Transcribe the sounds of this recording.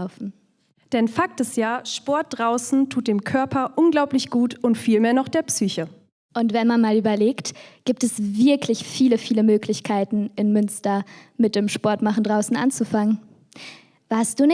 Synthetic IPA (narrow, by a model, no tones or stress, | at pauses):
ʊfn̩ | d̥ɛnfak̚təsjaːʃpɔɐt̚d̥ʁaʊsn̩tʰuːt̚d̥eːmkʰœɐpʰɐʔʊnɡlaʊplɪçɡ̥uːtʔʊntfiːlmeːɐnɔχd̥eːɐpsyːçə | ʔʊntv̥ɛnmanmaːlʔyːbɐleːktɡ̥iːp̚tɛsvɪɐklɪçfiːləfiːləmøːklɪçkʰaɪtn̩ɪnmʏnstɐ | mɪt̚d̥eːmʃpɔɐtmaχn̩dʁaʊsn̩ʔa̰nt͡sufaŋən | v̥aɐst̚d̥uːnɪ